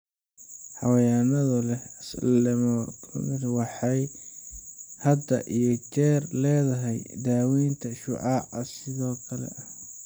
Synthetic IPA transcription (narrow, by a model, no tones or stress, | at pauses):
ħɑwɐjaːnɐðɐlɛɐslɛmɔ̰nɪɾwɑħɑj | hɐd̪ɐ̰ʔijɞt͡ʃɛːrlɛːðɐɦɛjd̪aːwiːnt̪ʰɐʃʊ̰ʕɑːʕɐsɪðɔːkʰɐlɛ̰ʔɐ